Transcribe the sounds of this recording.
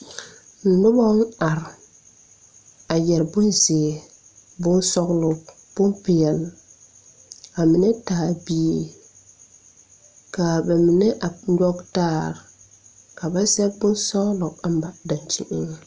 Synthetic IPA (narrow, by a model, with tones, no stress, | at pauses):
n̩˨nʊ˦bɔ˦n̩˦a˨ɾ | a˨jɛ˨ɾbʊ˦nzɪ˨ɛ˨ | bʊ˦n˦sɔ˦ɣlʊ˨ | b̥ʊ˦mpɪ˨ɛ˨l | a˨mɪ˨nɛ˦taː˨bi˦e˨ | ka˨bɛ˨mɪ˨nɛ˦ʔa˨ɲɔ˦ɡtaː˦˨ɾ | ka˨ba˦sɛ˦bʊ˦nsɔ˦ɣlʊ˨ka˨m˦ba˨da˨nti˦ʔɪ˦ŋ